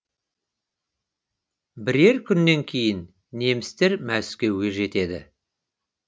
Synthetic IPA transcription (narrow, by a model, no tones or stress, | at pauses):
bɪɾe̞ɾkʲʰʏnːe̞ŋkʲʰe̞jɪnː | e̞mɪst̪eɾmæskʲe̞wɡʲe̞ʒe̞t̪e̞d̪ɪ̰